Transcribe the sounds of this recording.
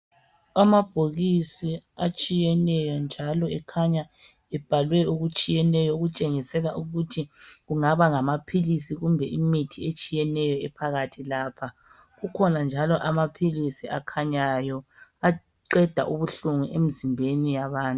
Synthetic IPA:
amab̥ʱoɣisiat͡ʃʼijɛnɛjɔnd͡ʒʱalɔɛkʰaɲa | ɛb̥ʱalwɛuɣut͡ʃʼijɛnɛjɔɣut͡ʃʼeŋisɛlaʔuɣutʰiɣuŋaβaŋamapʰilisiɣumbʱɛʔimitʰiet͡ʃʼijɛnɛjɔɛpʰaɣatʰilaːpʰa | ɣukʰɔnand͡ʒʱalɔʔamapʰilisiʔakʰaɲajɔa | ǃɛd̥ʱa̰ʔuβuɬuŋuʔem̩zimbʱenijaβaːntʼu

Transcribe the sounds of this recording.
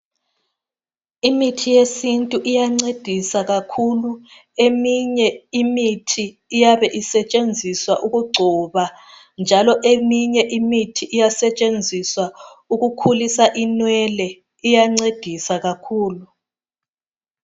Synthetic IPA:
imitʰijesintʼuʔijaŋ͡ǀed̥ʱisaɣakʰulu | emiɲɛimitʰiː | jaβɛʔisɛt͡ʃʼend͡zʱiswaʔuɣuɡ͡ǀʱɔβa | nd͡ʒʱalɔʔemiɲɛʔimitʰiʔijasɛt͡ʃʼend͡zʱiswauɣukʰulisaʔinwɛlɛ | ijaŋ͡ǀed̥ʱisaɣakʰuːlu

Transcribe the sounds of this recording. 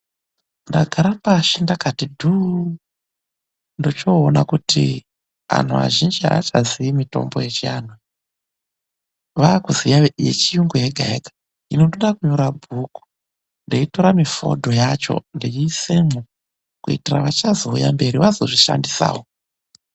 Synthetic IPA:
ndaɡʱaɾapaʃendakatidʱu | ndot͡ʃo̞ːnakutʰḭ | ʋa̰n̤uʋa̰ʒind͡ʒia̰at͡ʃaziimito̞̰mbo̰je̞t͡ʃijana | ʋakuzijajḛt͡ʃijuŋɡujeɡʱaeɡḁ | inotoɗakuɲoɾabʱuku̥ | ndeito̞ɾamifo̞̰dʱo̞jat͡ʃo̞̰ndeisemo | kuitira̰ʋat͡ʃazo̞ujambe̞ɾiʋazo̞ʐiʃa̰ndisa̰ːwo

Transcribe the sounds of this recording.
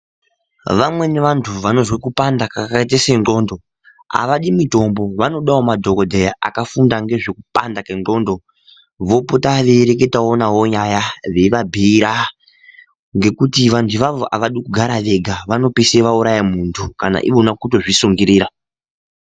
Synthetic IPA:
ʋamwe̞ne̞ʋantʰuʋano̞zwekupandakakaet̬esenɡo̞ːndo̞ | a̰ʋaɗimito̞mbo̞ʋano̞ɗawo̞madʱo̞kodʱejaʔa̰kafundaŋɡe̞ʐekupandakenro̞ːndo̞ | ʋo̞potaʋe̞ɾe̞k̬e̞tao̞naɦo̞ɲajaʋe̞ʋabʱiːɾa | ŋɡe̞kutiʋantʰuʋaʋoʔaʋaɗikuɡʱaɾaʋe̞ɡʱaʋano̞piseʋauɾajamuːntʰukana̰ʔḭʋonakuto̞ʐisuŋɡiɾiːɾa

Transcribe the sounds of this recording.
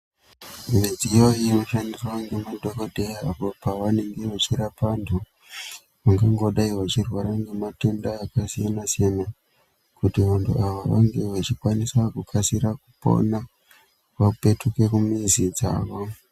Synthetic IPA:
uned͡zijoiruʃandiraŋɡemudʱokodʱejapo̞paʋane̞ŋɡe̞ʋat͡ʃiɾapantʰu | ʋaŋɡaŋɡo̞ɗaiʋat͡ʃirwaɾaŋɡemate̞ndaːkasijanasijana | kutiʋantʰṵaʋaʋaŋɡe̞ʋat͡ʃikwanisakukʰasiɾakupo̰na | paupe̞tukekumizid͡za̰ːʋo̞

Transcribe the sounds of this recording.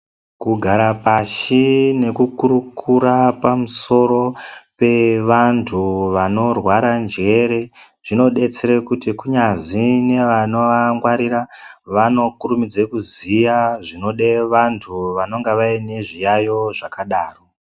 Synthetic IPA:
kuɡʱaɾapaʃine̞kukuɾukʰuɾapamuso̞ɾo̞pe̞ʋantʰuʋano̞rwaɾand͡ʒe̞ɾe̞ | ʐ̥ino̞ɗe̞t͡seɾekutikuɲazine̞ʋano̞ʋaŋɡwaɾiɾaʋano̞kurumid͡zekuzijaʐino̞ɗe̞ʋantʰuʋano̞ŋɡeʋaine̞ʐijajo̞ʐakaɗaːro

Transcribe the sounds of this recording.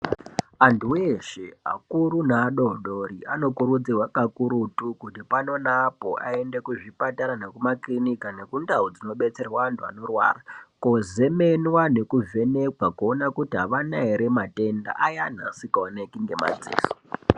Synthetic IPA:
antʰuweʃea̰kuɾunaːɗonɗoɾiano̞kuɾud͡zirwakakuɾutukutipano̞napo̞̰ʔa̰e̞ndekuʐipataɾanekumaklinikane̞kundaud͡zino̞ɓe̞t͡se̞rwaːntʰua̰no̞rwa̰ːrakoze̞menwane̞kuve̞ne̞kwakuonakutiɦaʋanaeɾemate̞nda̰ʔajan̤a̰sikaonekiŋɡe̞ma̰d͡zḭːso̥

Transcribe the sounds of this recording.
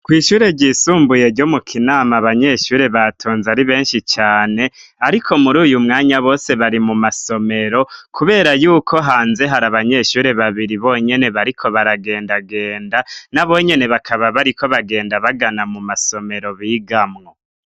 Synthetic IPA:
kwiːʃuːɾe̞ɟiːsuːmbuje̞ɾɟo̞mukʰinaːmaβaɲe̞ʃuːɾe̞βatʰoːnzaɾiβe̞ːnʃit͡ʃaːne̞aɾikʰo̞muɾuːjumŋaːɲaβo̞ːse̞βaɾimumaso̞me̞ɾo̞kʰuβe̞ːɾajuːkʰo̞ɦaːnze̞ɦaɾaβaɲe̞ʃuːɾe̞βaβiɾiβo̞ɲe̞ne̞βaɾikʰo̞βaɾaɡe̞ːndaɡe̞ːndanaβo̞ɲe̞ne̞βakʰaβaβaɾiko̞βaɡe̞ːndaβaɡanamumaso̞me̞ɾo̞βiːɡamŋo̞

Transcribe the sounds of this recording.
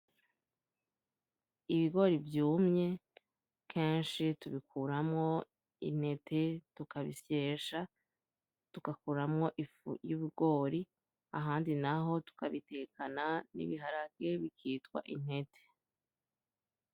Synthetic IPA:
iβiɡo̞ɾivjuːmɲe̞ | kʰe̞ːnʃituβikʰuɾamŋo̞ | ḭn̥he̞tʰe̞tukaβisjeːʃa | tukakuːɾamŋo̞ʔifṵjuβuɡ̥o̞ːɾi | aɦaːndinaɦo̞tu̥kaβite̞kananḭβiɦaɾaɡɡe̞βikiːtkwa̰ʔin̥he̞tʰe̥

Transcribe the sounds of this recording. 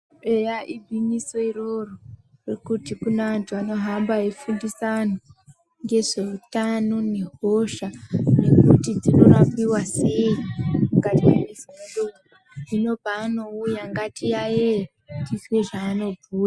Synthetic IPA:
ejaʔibʱinisoirororekutikunaʋantʰuano̞ɦambaefundisano | ŋɡe̞ʐe̞utano̞ne̞ɦoʃane̞kutid͡zino̞rampiwaseimmuɡatiawezimndo | ʐino̞paːno̞ujaŋɡatijaje | tisweʐaːno̞bʱuːra

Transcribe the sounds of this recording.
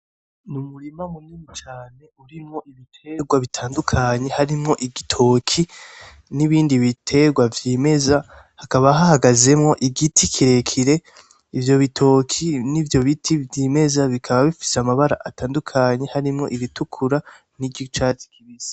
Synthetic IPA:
numuɾimamumimit͡ʃaːne̞uɾimŋo̞iβitʰe̞ɡwaβitʰaːndukʰaɲe̞haɾimŋo̞ʔiɡitʰo̞kʰi | niβiːndiβitʰe̞ɡwavjime̞za | hakaβaɦahaɡaze̞mŋo̞ʔiɡitʰikʰiɾe̞kʰiɾe̞ | ivjo̞βitʰo̞kʰinivjo̞βitʰivjiːme̞zaβikʰaβaβifi̥seamaβaɾa̰ʔataːndukʰaɲe̞haɾimŋo̞̰ʔiβitukʰuɾa | niɟit͡ʃaːti̥kiβizḁ

